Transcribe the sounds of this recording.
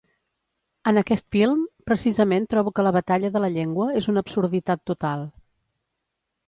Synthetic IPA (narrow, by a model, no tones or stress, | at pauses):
ənəkɛst̪filˠmpɾəsizəment̪ɾɔβukələβ̞ət̪aʎəðələʎeŋɡwəezunəbsuɾð̞it̪at̪ːut̪alˠ